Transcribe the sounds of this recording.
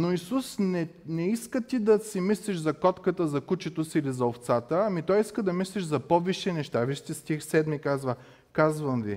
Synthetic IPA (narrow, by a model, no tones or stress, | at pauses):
noisusnɛnɛiskət̪id̪ɐsimisliʃzɐkɔt̪kət̪əzɐkut͡ʃɛt̪osiːlizɐoft̪sat̪əɐmit̪ɔjiskəd̪ɐmisliʒzɐpɔviʃɛnɛʃt̪aviʃt̪ɛst̪ixsɛd̪mikazvə | kazvɐmvi